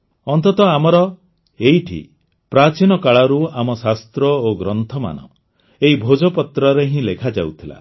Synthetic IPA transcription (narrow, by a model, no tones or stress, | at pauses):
ɔnt̪ɔt̪ɔamɔɾɔ | eiʈʰḭ | pɾat͡ʃinɔkaɭaɾuamɔsast̪ɾɔoɡɾɔnt̪ʰɔma̰nɔ̰ | eɦibʱod͡ʒɔpɔt̪ɾɔɾeɦĩlekʰad͡ʒawt̪ʰila̰